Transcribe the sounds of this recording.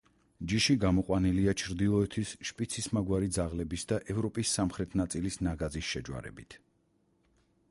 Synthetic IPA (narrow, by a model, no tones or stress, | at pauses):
d͡ʒiʃiɡamɔqʼwaniliat͡ʃʰɾd̪ilˠɔɛt̪ʰisʃpʼit̪sʰismaɡwaɾid̪zaʁlɛbisd̪aʔɛvɾɔpʼisːamχɾɛt̪ʰnat̪sʼilisnaɡazisʃɛd͡ʒwa̰ɾɛ̰bit̪ʰ